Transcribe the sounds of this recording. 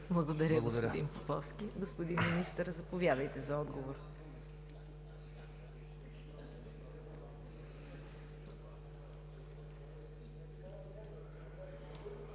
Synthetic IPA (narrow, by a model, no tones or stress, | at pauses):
blˠɐɡod̪ɐɾʲəɡospd̪inpopɔfskʲiɡospod̪inminist̪əɾzɐpovʲjad̪əjt̪ɛzɐɔd̪ɡovoɾ